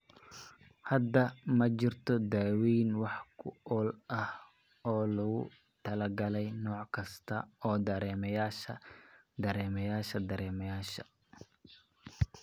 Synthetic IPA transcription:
hɐd̪ɐmɐt͡ʃɪrt̪ʰɔd̪aːwiːnwɑħkʰʊʔɔːlʔɐh | ɔːlɐɣʊ̰ | t̪ʰɐlɐɡɐlɛjnɔːʕkʰɐst̪ʰɐɔːd̪ɐɾɛːmɐjaːʃɐ | d̪ɐɾɛːmɐjaːʃɐd̪ɐɾɛːmɐjaːʃɐ

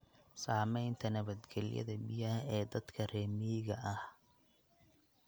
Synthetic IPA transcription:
saːmɛjnt̪ʰɐnɐβɐd̪ɡɛlɪ̰jɐ̰ðɐbɪjɐhɛːd̪ɐd̪kʰɐrɛːmiɣɐʔɐh

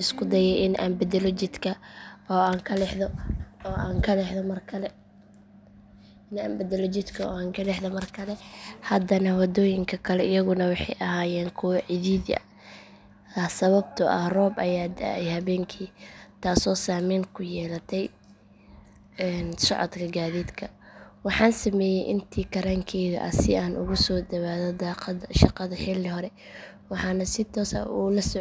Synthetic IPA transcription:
ɪskʰʊd̪ɐjɛjʔɪnʔa̰ːmbɛd̪ɛlɔt͡ʃɪd̪kʰɐɔːaːŋkʰɐlɛħðɔɔːaːŋkʰɐlɛħðɔmɐrkʰɐlɛ | ɪnaːmbɛd̪ɛlɔt͡ʃɪd̪kʰɐɔ̰ːaːŋkʰɐlɛħðɔmɐrkʰɐlɛhɐd̪ɐnɐwɑd̪ɔːjɪŋkʰɐkʰɐlɛɪjɐɣʊnɐwɑħɑ̰jʔɐɦaːjɛːŋkʰʊwɐʕɪðiːðɐ̰ | ɐsɐβɐb̚t̪ʰʊʔɐ̰hrɔːbʔɐjaːd̪ɐɛjhɐβɛːŋkʰiːt̪ʰaːsɔːsaːmiːnkʰʊjɛːlɐt̪ʰɛj | ɛːnsɔ̰ʕɔ̰d̪kʰɐɡaːðiːd̪kʰɐwɑħɑːnsɐmɛːjɛjʔɪnt̪ʰiːkʰɐɾaːŋkʰɛːɣɐ̰ʔɐ̰sɪaːnʔʊ̰ɣʊsɔːd̪ɐβaːðɐd̪aːqɑdʃɑqɑðɐħɪlɪɦɔɾɛ | wɑħɑːnɐsɪt̪ʰɔːsɐ̰ulɐsɔ

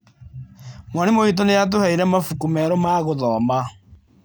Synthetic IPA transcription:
mwanemoit̬onejat̬ohɛiɾɛmafukumɛɾɔmaɣoðɔːma

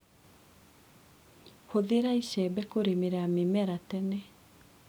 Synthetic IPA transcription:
xoðeɾaiɕɛːbɛkoɾemeɾɛamemɛɾatɛnɛ

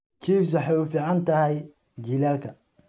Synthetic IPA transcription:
t͡ʃʰiːfs̬ɐħɑjufiːʕɑnt̪ʰɐɦɛj | d͡ʒiːlaːlkʰɐ

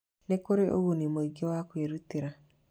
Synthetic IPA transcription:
nekoɾeʔoɣunimoiɡɔwakweɾutiɾa

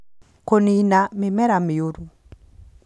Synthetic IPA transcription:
koninamɪmɛɾamɪoɾu

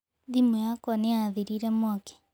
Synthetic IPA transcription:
ðimujakɔneaðiɾiɾɛmwɔkɛ̥

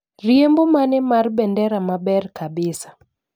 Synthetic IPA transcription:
riembɔmanɛmaɾbɛndɛɾamabɛrkabɪsḁ

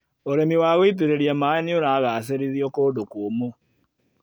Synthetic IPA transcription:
oɾɛmiwaːɣoit̬uɾeɾiamaɛnioɾaːɣaseɾiðiɔkoːdokːmo

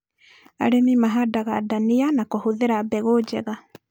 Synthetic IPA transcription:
a̰ɾemimaɦadaɣadanianakohoðeɾaːbɛɣod͡ʒɛɣa

